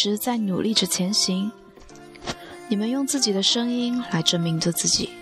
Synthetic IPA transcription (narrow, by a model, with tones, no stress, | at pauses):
ɻ̩˧˥t͡sa˥˩ɪnṵ˨˩lʔi˥˩ʈ͡ʂ̩˥t͡ɕʰjɛ˧˥nɕi˧˥ŋ | ni˨˩mə˧˦njʊ˥˧ŋt͡sɹ̩˥˩t͡ɕi˨˩d̪ə˦ʂɤ˥ŋi˥nla˧˥ɪʈ͡ʂə˥nmi˧˥ŋʈ͡ʂə˧t͡sɹ̩˥˩t͡ɕḭ˨˩˦